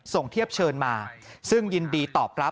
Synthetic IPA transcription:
so˨˩ŋt̪ʰi˥˩əp̚t͡ɕʰɤː˧nmaː˧sɯ˥˩ŋji˧ndiː˧t̪ɔː˨˩p̚ɾa˦˥

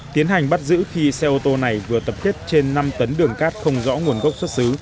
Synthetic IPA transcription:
t̪i˨˦ənɦa˨˩jŋ̟ɓa˦˥t̚zɨ̰˧˥xi˧sɛ˧ʔo˧t̪o˧na˨˩jvɨ˨˩ət̪ə˨˩p̚ke˦˥t̚t͡ɕe˧nːa˧mt̪ə˨˦nɗɨ˨˩əŋkaː˦˥t̚xə˧wŋ͡mzɔ̰˧˥ŋu˨˩ənɣə˦˥wk͡p̚swə˦˥t̚sɨ˨˦

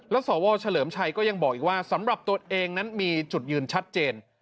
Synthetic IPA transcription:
lɛ˦˥wsɔː˩˦wɔː˧t͡ɕʰa˧lɤː˩˦mt͡ɕʰa˧jkɔː˥˩ja˧ŋbɔː˨˩k̚ʔiː˨˩k̚waː˥˩sa˩˦mɾa˨˩p̚t̪u˧əʔeː˧ŋna˦˥nmiː˧t͡ɕu˨˩t̪̚jɯː˧nt͡ɕʰa˦˥t̪̚t͡ɕeː˧n

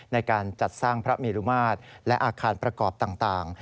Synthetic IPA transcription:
na˧jkaː˧nt͡ɕa˨˩t̪̚saː˥˩ŋpʰɾa˦˥meː˧ɾu˦˥maː˥˩t̪̚lɛ˦˥ʔaː˧kʰaː˧npɾa˧kɔː˨˩p̚t̪aː˨˩ŋt̪aː˨˩ŋ

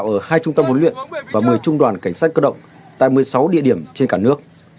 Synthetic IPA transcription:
wʔəː˧˩haː˧jt͡ɕʊ˧ŋ͡mt̪ə˧mhɦo˨˦lwḭ˧˨ənvaː˨˩mɨ˨˩əjt͡ɕʊ˧ŋ͡mɗwaː˨˩nka˧˩ŋ̟saː˦˥t̚kəː˦˥ɗə̰˧˨wŋ͡m | t̪a̰ː˧˨jmɨ˨˩əjsa˨˦wɗḭ˧˨əɗi˧˩əmt͡ɕe˧nkaː˧˩nɨ˦˥ək̚

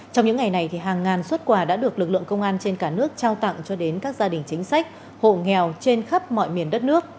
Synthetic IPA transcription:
t͡ɕɔ˧wŋ͡mɲɨ̰˧˥ŋa˨˩jna˨˩jt̪ʰi˨˩ɦaː˨˩ŋːaː˨˩nswə˦˥t̚kwaː˧˩ɗa̰ː˧˥ɗɨ˨˩əklɨ˨˩k̚lɨ̰˧˨əŋkə˧wŋ͡mʔaː˧nt͡ɕe˧nkaː˧˩nɨ˦˥ək̚t͡ɕaː˧wt̪a̰˧˨ŋt͡ɕɔ˧ɗe˨˦nkaː˦˥k̚zaː˧ɗï˨˩ŋ̟t͡ɕï˨˦ŋ̟sa˦˥jk̟̚ | ho̰˧˨ŋɛ˨˩wt͡ɕe˧nxə˦˥p̚mɔ̰˧˨jmi˨˩ənɗə˦˥t̚nɨ˦˥ək̚

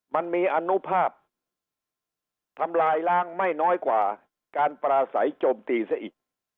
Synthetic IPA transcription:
ma˧nmiː˧ʔa˧nu˦˥pʰaː˥˩p̚ | t̪ʰa˧mlaː˧jlaː˦˥˩ŋma˥˩jnɔː˦˥jkwa̰ː˨˩ | kaː˧npɾaː˧sa̰˩˦jt͡ɕoː˧mt̪iː˧sa˦˩ʔiː˨˩k̚

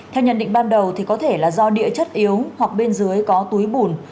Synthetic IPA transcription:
t̪ʰɛ˧wɲə˧˨nɗḭ̈˧˨ŋ̟ɓaː˧nɗə˨˩wt̪ʰi˨˩kɔ˨˦t̪ʰe˧˩laː˨˩zɔ˧ɗḭ˧˨ət͡ɕə˦˥t̚ʔi˨˦əwhwa˨˩k̚ɓe˧nzɨ˨˦əjkɔ˨˦t̪u˨˦jɓu˧˩n

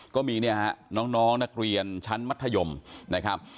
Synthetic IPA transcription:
kɔː˥˩miː˧ni˥˩ɐha˦˥nɔː˦˥ŋnɔː˦˥ŋna˦˥k̚ɾi˧ənt͡ɕʰa˦˥nma˦˥t̪ʰːa˧jo˧mna˦˥kʰɾa˦˥p̚

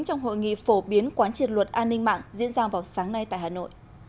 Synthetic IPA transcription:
ŋt͡ɕɔ˧wŋ͡mɦo̰˧˨jŋḭ˧˨fo˧˩ɓi˨˦ənkwaː˨˦nt͡ɕi˨˩ən̚lwə˨˩t̚ʔaː˧nːï˧ŋma̰ː˧˨ŋzḭ˧˥ənzaː˧vaː˨˩wsaː˨˦ŋna˧jt̪a̰ː˧˨jhaː˨˩no̰˧˨j

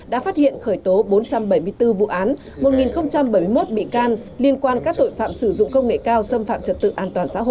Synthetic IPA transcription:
ɗa̰ː˧˥faː˦˥t̚hḭ˧˨ənxəː˧˩jt̪o˨˦ɓo˨˦nt͡ɕa˧mɓə˧˩jmɨ˧əjt̪ɨ˧vṵ˧˨ʔaː˨˦n | mo˨˩t̚ŋi˨˩nxə˧wŋ͡mt͡ɕa˧mɓə˧˩jmɨ˧jmo˦˥t̚ɓḭ˧˨kaː˧nli˧ənkwaː˧nkaː˦˥k̚t̪o̰˧˨jfa̰ː˧˨msɨ˧˩zʊ̰˧˨ŋ͡mkə˧wŋ͡mŋḛ˧˨kaː˧wsə˧mfa̰ː˧˨mt͡ɕə˨˩t̪ɨ̰˧˨ʔaː˧˩nt̪waː˨˩nsa̰ː˧˥ɦo̰˧˨

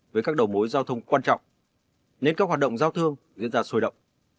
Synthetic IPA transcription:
vəː˨˦jkaː˦˥k̚ɗə˨˩wmo˨˦jzaː˧wt̪ʰə˧wŋ͡mkwaː˧nt͡ɕɔ̰˧˨wŋ͡m | ne˧nkaː˦˥k̚ɦwaː˨˩ɗə˧˨ŋ͡mzaː˧wt̪ʰɨ˧əŋzḭ˧˥ənzaː˧so˧jɗə̰˧˨wŋ͡m

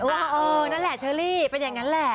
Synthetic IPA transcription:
ʔoː˧˩ɔ˧˩ʔɤː˧na˦˥˩nlɛ˨˩t͡ɕʰɤː˧˩liː˥˩pe˧njaː˨˩ŋːa˦˥nlɛ˨˧˩

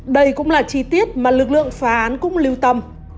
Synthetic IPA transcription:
ɗə˧jkʊ̰˧˥ŋ͡mlaː˨˩t͡ɕi˧t̪i˦˥ət̚maː˨˩lɨ˨˩k̚lɨ̰˧˨əŋfaː˨˦ʔaː˨˦nkʊ̰˧˥ŋ͡mli˧wt̪ə˧m

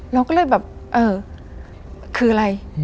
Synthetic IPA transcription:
lɛ˧˥wkɔː˥˩lɤː˧˩jbɛː˨˩p̚ʔɤː˧˩ | kʰɯː˧˩ʔa˧ɾa˧j

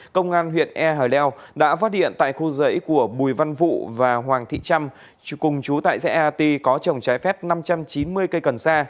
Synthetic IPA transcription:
kə˧wŋ͡mʔaː˧nɦwḭ˧˨ənʔɛ˧ɦaː˨˩jlɛ˧wɗa̰ː˧˥faː˦˥t̚hḭ˧˨ənt̪a̰ː˧˨jxu˧zə̰˧˥jku˧˩əɓu˨˩jva˧nvṵ˧˨vaː˨˩ɦwaː˨˩ŋt̪ʰḭ˧˨t͡ɕa˧m | kʊ˨˩ŋ͡mt͡ɕu˨˦t̪a̰ː˧˨jsɛ̰˧˥ʔa˧t̪i˧kɔ˨˦t͡ɕə˨˩wŋ͡mt͡ɕaː˨˦jfɛ˦˥p̚na˧mt͡ɕa˧mt͡ɕi˨˦nmɨ˧əjkə˧jkə˨˩nsaː˧

